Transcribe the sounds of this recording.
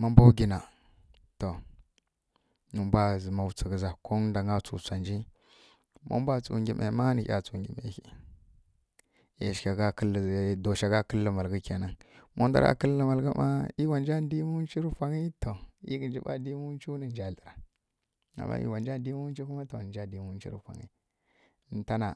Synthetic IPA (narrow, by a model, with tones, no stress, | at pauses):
ma˦mba˦wɡʲi˨na˨ | to˨ | nu˨mbʷa˦zə˨ma˨wt͡sə˨ɡə˨za˨ko˦da˨ŋa˦t͡sṵ˨sa˨nd͡ʒi˦ | mo̰˦m˦bʷa˦t͡sṵ˨ɡʲi˨mʔe˨˦ma˦ni˨çʲa̰˨t͡su˨ŋɡi˨mḛ˨xi˦ | ja̰˨ʃkʲa˨ɡa˦kə˦lːdo˨ʃa˨ɡa˦kə˦lːə˨ma˨lɡə˦ka˨na˦ŋmo˦n˦da̰˦ɾa̰˨kə˦lːə˦ma˨lɡa˦ma̰˦i˦wa˨nd͡ʒa˦di˦mu˦n˦t͡ʃi˦ɾfʷa˨ŋi˦to˨ḭ˦ɡə˨nd͡ʒi˦ɓa̰˦di˦mu˦t͡ʃi˦nə˨n˦d͡ʒa˨ɮə˨ɾa˨ | a̰˨mːa̰˦ḭ˨wa˨nd͡ʒa˦di˦mu˦t͡ʃi˦ku˦ma˦to˨n˨d͡ʒa˦di˦mu˦t͡ʃḭ˦ɾṵ˨fʷa̰˨ŋḭ˦˨˦ | ta˦na˨